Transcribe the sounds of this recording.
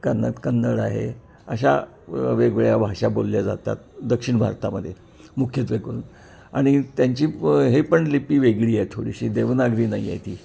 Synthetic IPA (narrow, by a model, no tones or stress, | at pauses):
kəna̰t̪kənːəɽa̰ɦḛ | əɕ̬a̰ | ʋeɡʋɭjabʱaʂabolːjad͡za̰t̪a̰t̪̚d̪əkʂiɳbʱa̰ɾt̪aməd̪ʱːje | mukʰjet̪ʋeɡuːn | aɽ̃it̪jaɲt͡ɕiːɦepəɳlipiːʋeɡɭiːajt̪ʰoɽiɕiːd̪eʋnaɡɾiːnaḭa̰jt̪iː